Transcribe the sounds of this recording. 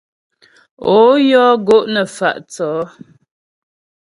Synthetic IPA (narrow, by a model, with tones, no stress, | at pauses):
o˨˦jɔː˦ɡo˦ʔnə˨fa̰˨ʔt͡sɔː˨˦